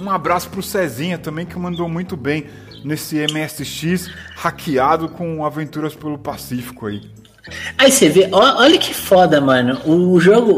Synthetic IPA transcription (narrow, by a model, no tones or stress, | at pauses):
ũabɾasʊ̥pɾʊsɛzĩɲɐt̪ɐ̃mbẽj̃kɪmɐ̃nd̪owmũj̃t̪ʊbẽj̃ | nesɪemɪɛsɪʃishakʰiad̪ʊkõavẽnt̪uɾɐspelʊpasifi̥kʊai | ajseveʔɔʔɔʎɐkʰɪfɔd̪ɐmɐɾnɐʊʒoɡʊ